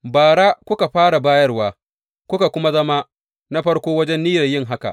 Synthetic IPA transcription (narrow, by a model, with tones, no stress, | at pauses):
baː˨ɽa˦kʷʊ˦ka˨ɸaː˦ɽa˨baː˦jɐ˦rwaː˨ | kʷʊ˦ka˨kʷʊ˦ma˦zɐ˦ma˦ | na˦ɸɐ˦ɽkʷoː˦wɐ˦d͡ʒɛ˦nːiː˦jɐ˨jɪ˦˨ŋɦa˦ka̰˨ʔ